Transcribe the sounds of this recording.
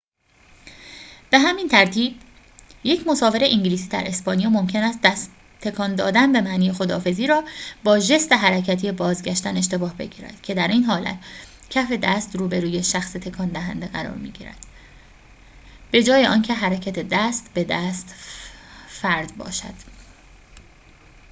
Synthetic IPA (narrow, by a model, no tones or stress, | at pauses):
b̥e̞ɦæmiːnt̪ʰæɾt̪ʰiːb̥̚ | je̞cʰmo̞sɒːve̞ɾeʔiŋɟiliːsiːd̪æ̰ɾʔe̞spɒːnijɒːmo̞mcʰe̞næst̪d̪æst̪ | t̪ʰːe̞kʰɒnd̪ɒːd̪ænbe̞mæʔniːjexo̞d̪ɒːfe̞ziːɾɒːbɒːʒe̞st̪e̞ɦæɾæcʰæt̪ʰiːebɒːzɟæʃt̪æne̞ʃ̬t̪e̞bɒːhbe̞̰ɟḭːɾæ̰d̪̥cʰe̞d̪æɾiːnɦɒːlæ̰t̪ | cʰæfe̞d̪æst̪ɾuːbe̞ɾuːje̞ʃæxset̪ʰe̞kʰɒnd̪æɦænd̪eɣæɾɒ̰ːɾmḭːɟḭːɾæ̰d̪̥ | b̥e̞d͡ʒɒːje̞ʔɒːncʰe̞ɦæɾæcʰæt̪ʰe̞d̪æst̪be̞d̪æst̪ | fæɾd̪bɒ̰ːʃæ̰d̪̥